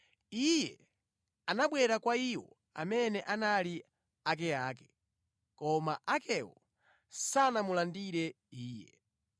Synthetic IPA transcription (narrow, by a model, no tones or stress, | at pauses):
ijɛ | anaɓwɛɾakwaiwɔ̰ | a̰mɛnɛʔanali | ak̬ɛaːkɛ̥ | kɔmaʔakɛwɔ̰ | sanamulandiɾɛ | iːjɛ̰